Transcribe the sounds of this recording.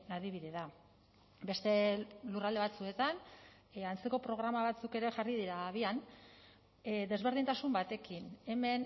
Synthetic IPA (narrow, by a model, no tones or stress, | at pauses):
aðiβ̞iðeða | be̞st̪e̞lurald̪e̞βat͡sue̞t̪an | ant͡se̞ko̞pɾo̞ɣ̞ɾamaβat͡suke̞ɾe̞ʝarið̞iɾaβ̞ian | d̪e̞zβ̞e̞ɾð̞int̪asumbat̪e̞kine̞me̞n